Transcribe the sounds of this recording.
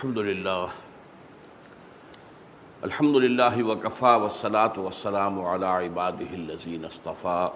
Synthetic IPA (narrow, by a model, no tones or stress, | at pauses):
ħɐmd̪ʊlɪlːaːh | ʔɐlħɐmd̪ʊlɪlːaːɦɪwɐkɐfaːwɐsːɐlaːt̪ʊwɐsːɐlaːmʊʕa̰laːʕɪbaːd̪ɪɦɪlːɐziːnɐst̪ɑfaː